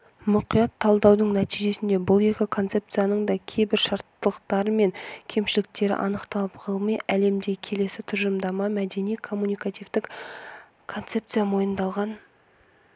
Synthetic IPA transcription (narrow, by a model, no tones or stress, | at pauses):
mʊqijɑt̪ʰːɑlˠd̪ɑwd̪əɴnæt̪ijʒe̞sɪnd̪e̞bʊlˠe̞kʲɪkʰo̞nt̪se̞p̚t̪sɨjanəɴd̪ɑkʲʰe̞jbɪɾʃɑɾt̪ːəlˠəqt̪ɑɾəme̞ŋkʲʰe̞mʃɪlɪk̚t̪e̞ɾɪ̰ʔɑ̰nəqt̪ɑlˠəpqʰəlˠmɑjʔæle̞md̪ekʲʰe̞le̞sɪt̪ʰʊɾʒəmd̪ɑmɑmæd̪e̞nijkʰo̞mːunijkat̪ijvd̪ɪk | kʰo̞nt̪se̞p̚t̪sɨjamo̞jənd̪ɑlˠʁɑn